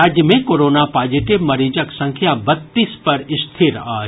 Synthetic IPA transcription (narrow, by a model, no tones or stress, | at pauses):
aːd͡ʑjəmẽkoːɾoːnapaːziʈɪbmɐɾiːd͡ʒəksɐ̃ŋkʰjabɐt̪ːiːspɐɾɪst̪ʰiɾaː